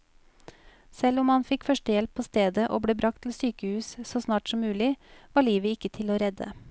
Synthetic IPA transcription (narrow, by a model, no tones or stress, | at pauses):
sɛlʊmhɑnfɪkfœʂʈəjɛlpʰːoːst̪eːd̪əʔo̰ːbɽeːbɾɑk̚t̪ʰl̩syːkəhʉːssoːsnɑːʈsɔmːʉːlɪʋɑːɭiːʋəɪkːət̪ʰɪloːɾɛd̪ə̰